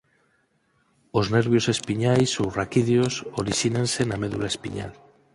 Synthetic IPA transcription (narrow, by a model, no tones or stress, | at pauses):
ozneɾβjose̞spiɲajsorakiðjosoɾiʃinẽnse̞nameðulaespiɲa̰l